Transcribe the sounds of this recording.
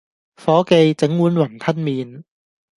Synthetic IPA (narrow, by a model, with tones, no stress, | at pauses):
fɔː˨˥ke˧jt͡se˨˥ŋwuː˨˥nwɐ˨˩nt̪ʰɐ˥n̚miː˨˧n